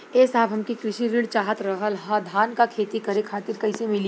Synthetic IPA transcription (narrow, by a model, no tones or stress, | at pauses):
eːsaːbʱɦɐmkikɾɪʃiɾɪɽt͡ʃaːɦət̪ɾɐɦəlɦad̪ʱaːnkakʰeːt̪ikɐɾekʰaːt̪ɪɾkɐɪsemɪli